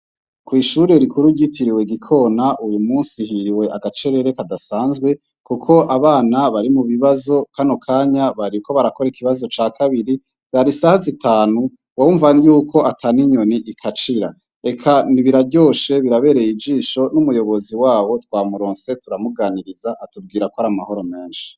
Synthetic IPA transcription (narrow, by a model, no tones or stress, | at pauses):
kwiːʃuːɾeɾikuɾuɟitiɾiwe̞ɡikʰo̞naʔujumuːnsihiɾiwe̞ʔaɡat͡ʃe̞ɾe̞ɾe̞kadasaːnzɡwe̞ | kukʰo̞ʔaβaːnaβaɾimuβiβazo̞kano̞kʰaːɲaβaɾiuko̞βaɾako̞ɾekʰiβazo̞t͡ʃaːkʰaβiɾi | zaɾisahazitaːnu | wauːɱvajuːkʰo̞ʔatʰaniɲo̞niʔikʰat͡ʃiɾa̰ | e̞kʰaniβiɾaɟo̞ːʃe̞βiɾaβe̞ːɾe̞jid͡ʒiːʃo̞numujo̞βo̞ziwaːβo̞twaːmuɾo̞ːnse̞tuɾamuɡaːniɾizaʔatub̚ɡiːɾakohaɾamaho̞ɾo̞me̞ːnʃi̥